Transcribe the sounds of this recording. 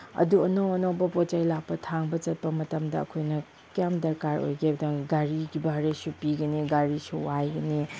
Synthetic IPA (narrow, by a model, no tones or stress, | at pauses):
ɐ̰duɐnowɐnowbɐpot͡ʃajlak̚pɐtʰaŋbɐt͡ʃɐt̚pɐmɐtɐmdɐɐ̰kʰojnɐ | kijamdɐɾkaɾo̰jɡebɐdaŋɡaɾiɡibaɾesupiɡɐniɡaɾisuwajɡɐni